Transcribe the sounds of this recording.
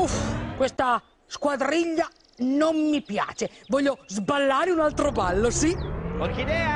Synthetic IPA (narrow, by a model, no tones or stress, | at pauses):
ufkwest̪a | skwad̪ɾiʎːa | nomːipja̰ːt͡ʃevɔʎːozbalːaːɾɪunalt̪ɾobalːosikalkid̪ɛa